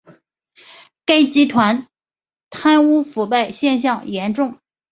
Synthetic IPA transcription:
ka˥ɪt͡ɕi˧˥t̪ʰwa˧˥n | t̪ʰa˥nu˥fu˨˩pa˥˧˩ɪɕjɛ˥˧nɕ̬jɑ˥˩ŋjɛ˧˥nʈ͡ʂʊ˥˩ŋ

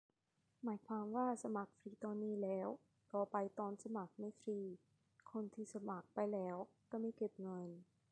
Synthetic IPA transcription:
maː˩˦jkʰwaː˧mwaː˥˩sa˧ma˨˩k̚fɾiː˧t̪ɔː˧nːiː˥˩lɛː˦˥w | k̪ɔː˨˩pa˧jt̪ɔː˧nsa˧ma˨˩k̚ma˧˥˩jfɾiː˧ | kʰo˧nt̪ʰiː˥˩sa˧ma˨˩k̚pa˧jlɛː˦˥wkaː˥˩ma˧˥˩jke˨˩p̚ŋɤ˧n

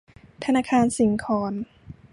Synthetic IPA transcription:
t̪ʰa˧naː˧kʰaː˧nsi˩˦ŋkʰɔː˨˧˦n

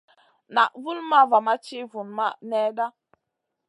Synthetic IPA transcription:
na˨ʔvu˦lma˦va˨ma˦t͡ʃi˦vu˨nma˦˨nɛ˦da˦

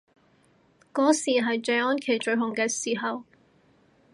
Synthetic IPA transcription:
kɔː˨˥siː˨˩ɦɐ˨jt͡ʃœ˨˧ɥɔː˥nkʰe˨˩jt͡ʃɵ˨˧ɥɦʊ˨˩ŋkɛː˧siː˨˩ɦɐ˨w

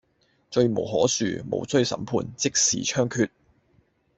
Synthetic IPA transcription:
t͡ʃɵ˧ɥmo˨˩wɦɔː˨˥sy̰ː˨˩mo̰˨˩wsɵ˥ɥsɐ̰˨˥mpʰuː˧nt͡sɪ˥k̚sḭː˨˩t͡ʃʰœː˥ŋkʰyː˧t̚

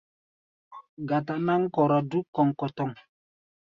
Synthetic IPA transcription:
ɡa˨ta˨na˦ŋ̩˦kɔ˨ɾa˨du˦kːɔ˨ŋ˨kɔ˨tɔ˦˨ŋ

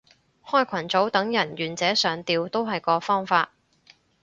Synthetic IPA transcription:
hɔː˥jkʷʰɐ˨˩nt͡so˨˥wt̪ɐ˨˥ŋjɐ˨˩njyː˨˩nt͡sɛː˨˥sœː˨˧ŋt̪iː˨wt̪o˥wɦɐ˨jkɔː˧fɔː˥ŋfaː˧t̚

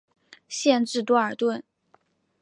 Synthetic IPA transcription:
ɕjɛ˥˧nʈ͡ʂɻ̩˥˧t̪wɔ˥ə˞˨˩t̪wə˥˩n

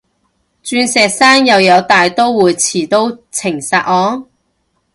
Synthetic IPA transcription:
t͡ʃyː˧nsɛː˨˧k̚saː˥ŋjɐ˨˧wjɐ˨˧wt̪aː˨jt̪o˥wwuː˨˧jt͡sʰiː˨˩t̪o˥wt͡sʰɪ˨˩ŋsaː˧˩ɔː˨˧˥ŋ

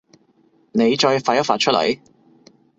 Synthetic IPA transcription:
ne˨˧jt͡ʃɔː˧jfaː˧jɐ˥t̚faː˨t̚t͡ʃʰɵ˥t̚lɐ̰˨˩j

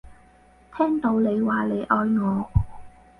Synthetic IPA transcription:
t̪ʰɛː˥ŋt̪o˨˧˥wle˨˧jwaː˨le˨˧jʔɔː˧jŋɔː˨˧

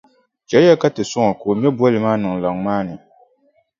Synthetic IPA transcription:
t͡ʃɛ˨lja˦ka˦tɨ˨sʊ˦ŋɔ˨koː˨m˦ɛ˦bwɔ˦lɨ˨maː˦nɨ˨ŋ˨la˨ŋmaː˦nɨ˨

